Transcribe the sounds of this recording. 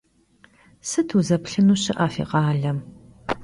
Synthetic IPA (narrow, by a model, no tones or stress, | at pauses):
sɨtʰuzɐpɬɨnuːɕɪʔaːfḭːqɑːɮɐm